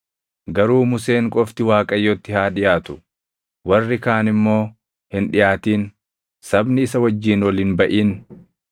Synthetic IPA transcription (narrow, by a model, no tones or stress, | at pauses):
ɡɐɾuːmʊse̞ːŋkʼɔft̪ɪwaːkʼɐjːɔt̪ːɪhaːᶑɪjaːt̪ʊ̥ | wɐrːɪkaːnɪmːo̞ː | hɪnᶑɪjaːt̪iːn | sɐbnɪɪsɐwɐd͡ʒːiːnwɔlinbɐʔiːn